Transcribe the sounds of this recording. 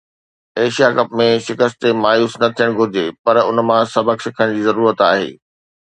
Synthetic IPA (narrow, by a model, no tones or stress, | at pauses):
eːʃijakɐpmẽʃɪkəst̪emaːjuːsnɐt̪ʰijəɽ̃ɡʱʊd͡ʑepɐɾʊnmãsɐbʱəksɪkʰəɽ̃d͡ʑiːzɐɾuːɾət̪aːɦḛː